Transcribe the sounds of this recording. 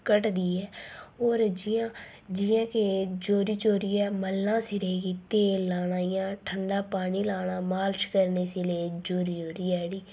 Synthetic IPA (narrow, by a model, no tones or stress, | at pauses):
kəʈd̪iːɛːoːɾd͡ʒãː | d͡ʒɪjãːked͡ʒoːɾiːt͡ʃoːɾiːɛːməlːãːsɪɾeːɡiːt̪eːlaːɽaːijãːʈʰəɳɖaːpaːniːlaːɽ̃aːmaːlt͡ʃkəɾneːseleːd͡ʒoːɾiːd͡ʒoːɾiːɛːɽiː